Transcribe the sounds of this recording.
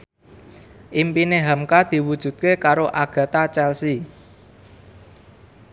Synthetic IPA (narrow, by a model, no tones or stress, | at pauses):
ʔimpineɦamkad̪̥i̤wud̥ʒ̥ṳt̪̚kekaɾoʔaɡ̥ä̤t̪at͡ʃɛlsi